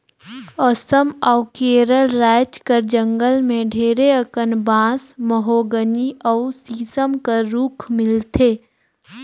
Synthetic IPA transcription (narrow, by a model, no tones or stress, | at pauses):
əsəmɔʊkeːɾəlɾɛːt͡ʃkəɾd͡ʒə̃ŋɡəlmẽɖʱeːɾeəkənbãːsməɦoːɡəniʔəʊsiːsəmkəɾuːkʰmɪlt̪ʰeː